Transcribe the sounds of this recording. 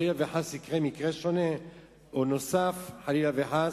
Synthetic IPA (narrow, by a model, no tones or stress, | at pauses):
lilaveħasikʁemikʁeʃone | onosafħalilaveħa